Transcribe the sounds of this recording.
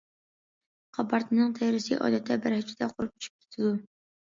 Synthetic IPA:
qʰɑpʰɑɾt̪ʰɨnɨŋt̪ʰɛjɾɪsɨʔɑ̰d̪ɛt̪ʰːɛbæɾhɛt͡ʃʰɪd̪ɛqʰoɾup̚ʲy̥t͡ʃʰy̥p̚kʲʰe̥t̪ʰɪd̪u

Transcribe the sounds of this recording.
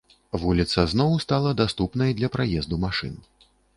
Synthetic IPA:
vulʲit̪sɐznɔwst̪alˠɐd̪ast̪upnɐjd̪lʲɐpɾajɛzd̪umaʂɨ̰n

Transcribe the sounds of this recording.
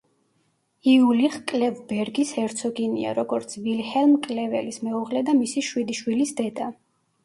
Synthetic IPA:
iuliχkʼlɛvbɛɾɡisɛɾt̪sʰɔɡinḭa̰ɾɔɡɔɾt̪sʰvilhɛlmkʼlɛvɛ̰lismɛuʁlɛd̪amisiʃwid̪iʃwilisd̪ɛd̪a

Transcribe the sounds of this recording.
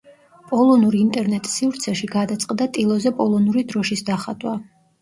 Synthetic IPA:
pʼɔlˠɔnuɾint̪ʼɛɾnɛt̪ʼsivɾt̪sʰɛʃiɡad̪at̪sʼqʼd̪at̪ʼilˠɔzɛpʼɔlˠɔnuɾid̪ɾɔʃisd̪aχad̪wa

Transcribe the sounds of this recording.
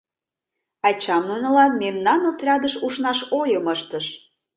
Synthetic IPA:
ɑt͡ɕɑmnunɤ̆lɑnmemnɑnut̪rʲɑd̪əʃuʃnɑʃojəməʃt̪əʃ

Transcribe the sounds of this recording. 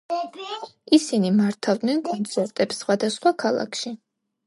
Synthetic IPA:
isinimaɾt̪ʰavd̪nɛnkʼɔnt̪sʰɛɾt̪ʼɛpsːχwad̪asχwakʰalˠa̰kʰʃi

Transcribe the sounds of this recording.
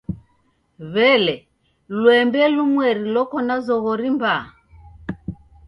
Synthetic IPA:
βɛlɛ | lwɛmbɛlumwɛɾilɔkɔnazɔɣɔɾimba

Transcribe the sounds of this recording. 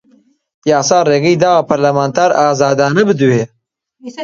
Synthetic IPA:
jaːsaːɾeːɡijd̪aːpɐɾlɐmaːnt̪aːɾaːzaːd̪aːnɐbɨd̪uhe

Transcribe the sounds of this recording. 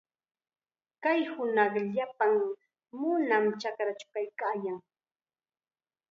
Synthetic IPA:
kajhʊnɑχʎapaŋ | mʊnamt͡ʃakɾat͡ʃʊ̥kajkaːjaŋ

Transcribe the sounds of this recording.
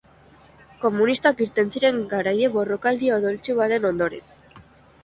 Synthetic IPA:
ko̞munist̪akiɾt̪e̞nsiɾe̞ŋɡaɾaje̞βo̞ro̞kald̪iaoðolt͡suβat̪e̞no̞nd̪o̞ɾḛn

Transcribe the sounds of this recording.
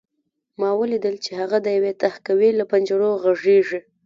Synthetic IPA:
mɑwəlid̪əlt͡ʃehaɣad̪əjawet̪ahkawilapand͡ʒaɽoɣaʐeʐi

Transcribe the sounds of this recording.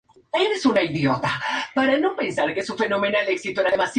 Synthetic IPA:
eɾesunaiðjot̪apaɾano̞pe̞nsaɾkeesuɱfe̞no̞mẽnaleksit̪oenaðemas

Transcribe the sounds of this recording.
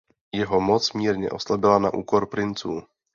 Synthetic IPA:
jɛɦomot͡smiːɾɲɛ̰ʔo̞slabɪlana̰ʔṵːkoɾpɾɪnt͡suː

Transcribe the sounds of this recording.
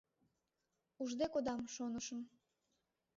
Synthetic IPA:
uʒd̪ekod̪ɑmʃonəʃə̆m

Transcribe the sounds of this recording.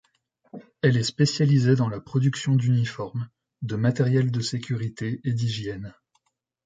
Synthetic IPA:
ɛlɛspesjalized̪ɑ̃lapχɔd̪yksjɔ̃d̪ynifɔʁm | d̪əmat̪ɛʁjɛld̪əsekʲyʁit̪eed̪iʒjɛn

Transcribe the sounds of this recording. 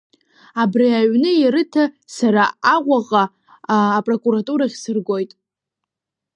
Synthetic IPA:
abriaɥnɨjaɾɨtʰa | saɾaaʁʷaʁʼaː | pʼro̞kʼuɾatʼuɾaχʲsɨrɡʷo̞jtʼ

